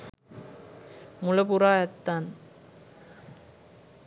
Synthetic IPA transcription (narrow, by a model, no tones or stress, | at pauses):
mʊlɐpuɾaːjɐt̪ːaːn